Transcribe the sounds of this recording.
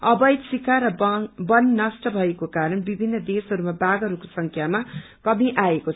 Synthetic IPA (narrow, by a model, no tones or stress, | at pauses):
ʌbʌjd̪sikʰaɾʌbʌnːʌsʈʌbʱʌekokaɾʌnbibʱinːʌd̪esɦʌɾumabaɡʌɾukosʌŋkʰjama | kʌmiʔaekot͡sʰ